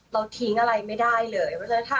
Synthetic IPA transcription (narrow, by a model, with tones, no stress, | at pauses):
ɾa˧wt̪ʰi˨˦ŋʔa˧ɾa˧jma˥˩jdaː˥˩jlɤː˧jma˦˥t͡ɕa˧˥˩t̪ʰa˧˩